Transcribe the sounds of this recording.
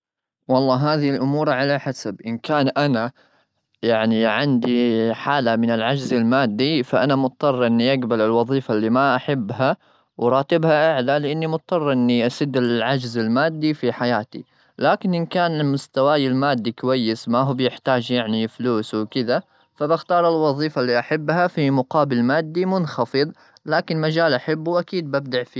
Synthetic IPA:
wɑlˤːɑːɦaːðilʔʊmuːɾˤʕalaħasabʔɪnkaːnʔana | jaʕniʕɪnd̪iħaːlamɪnɪlʕad͡ʒzɪlmaːd̪ːifaʔanamʊt̪̚ˤt̪ˤːɑrˤːʔɪnːiʔaɡbalɪlwɑðˤiːfalːimaʔaħabːɦa | wɾˤɑːt̪ɪbhaʔaʕlalɪʔɪnːimʊt̪̚t̪ˤːɑrˤːʔɪnːiʔasɪd̪ːɪlʕad͡ʒzɪlmaːd̪ːifiħajaːt̪ḭ | laːkɪnʔɪnkaːnɪmʊst̪awaːjɪlmaːd̪ːikʊwajːɪsmaɦuːbjɪħt̪aːd͡ʒjaʕnifluːswkɪd̪a | fabaxt̪ɑːɾˤɪlwɑðˤiːfalːiʔaħabːhafimʊqɑːbɪlmaːd̪ːimʊnxɑfɨðˤ | laːkɪnmad͡ʒaːlʔaħabːuwʔakiːd̪̚bab̚d̪aʕfiː

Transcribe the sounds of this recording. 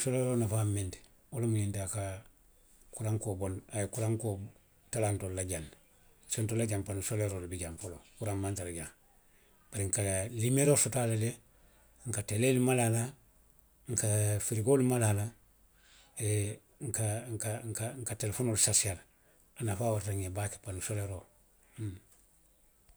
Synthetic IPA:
soleɾoːnafaːmente̥ | olamuɲintaka | kuɾaŋkobonajekuɾaŋko | talantollːaɟan | sontolːaɟampanusoleɾoːlibiɟamfolokuɾammantalaɟaŋ | b̥aɾiŋkalimeɾosotalele | ŋkatelelimalala | ŋkafiɾiɡolimalala | e | ŋkaŋkaŋkaŋkatelefoːnoːlsasial | anafaːwaɾɾaŋebake̥panusoleɾo

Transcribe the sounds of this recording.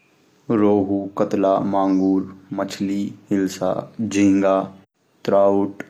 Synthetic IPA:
ɾoːɦuːkət̪laːmãːŋɡuːɾmət͡ʃʰliːɦɪlsa̰ːd͡ʒĩŋɡaː | t̪ɾaːʊʈ

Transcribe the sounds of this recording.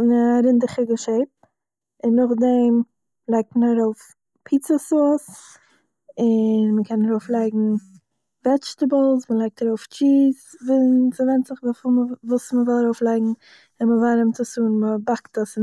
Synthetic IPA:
nəɾɪndɪχɪɡəʃeɪp̚ | ɪnːʊχdɛm | lˠaɪk̚tmənaɾoʊf | pʰiːt͡səsoːs | ɪnməkʰɛnaɾoʊflˠaɪɡŋ̩ | vɛt͡ʃtəblˠsməlˠaɪk̚taɾoʊft͡ʃiːsvisəvɛntzɪχvafɪməvuːsməzɔlˠaɾoʊflˠaɪɡŋ̩ | ɪnməvaɾɪmt͡səsuːnməbaktəsɪn

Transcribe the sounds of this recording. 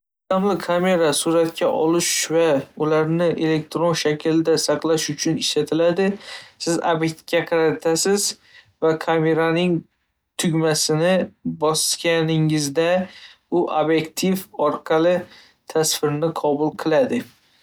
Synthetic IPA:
t̪amlɪkʰame̞ɾasʊɾat̪̚kʲʰaʔɒlɪʃvaʊlaɾnɪʔe̞le̞k̚t̪ɾonʃakʲʰɪld̪asɑqlˠaʃʊt͡ʃʰʊnɪʃlat̪ʰɪlad̪ɪsɪza̰bjet̪kʲaqʰɑɾat̪ʰasɪz | vakʰame̞ɾanɪŋ | t̪ʰʊɡʲmasɪnɪbɒskʲanɪŋɪzd̪a | ʊʔabjekt̪ʰivɒɾqʰɑlˠɪ | t̪ʰasfɪɾnɪqʰɒbʊlˠqʰɨlˠad̪ɪ

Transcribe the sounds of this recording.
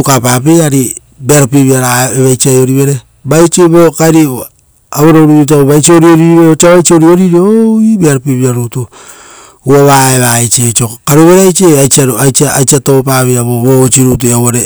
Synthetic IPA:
ukapapeaɾi | beaɾopeβiaɾaeβajt͡ʃiajoɾiβe̞ɾe | bajt͡ʃeβokaɾi | aβoɾoɾiɾit̬aβoβajt͡ʃioɾioɾiɾβeɾot͡ʃaβajt͡ʃioɾioɾiɾoibeaɾopeβiaɾuto | uaβaeβaet͡ʃet͡ʃokaɾuβeɾajt͡ʃeajt͡ʃiaɾajt͡ʃaajt͡ʃiatop̬aβeaβoβot͡ʃiɾut̬uawoɾe

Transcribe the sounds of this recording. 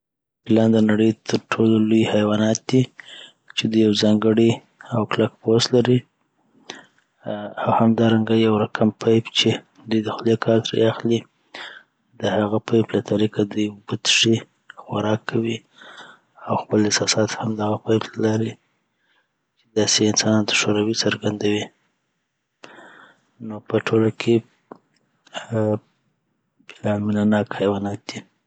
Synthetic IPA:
pɪlɑnd̪ənaɽəjt̪ʰəɾʈʰololujhajwɑnɑt̪̚d̪i | t͡ʃed̪ujːawzɑŋɡəɽi | awklakpost̪laɾi | awhamd̪ɑɾaŋɡajawɾakʰampʰajbt͡ʃe | d̪ujd̪əxlekʰɑɾt̪ɾḛaxli | d̪əhaɣapajplat̪ʰaɾikad̪ujbət̪ʂi | xaɾɑkʰːawi | awxpəlɪsɑsɑt̪hamd̪aɣapajblaɾi | t͡ʃe̥d̪ɑseɪnsɑnɑnt̪ḁʃoɾawisəɾɡand̪awi | nopəʈʰolakʰe | blamɪnanɑkhajwɑnat̪̚d̪̥i

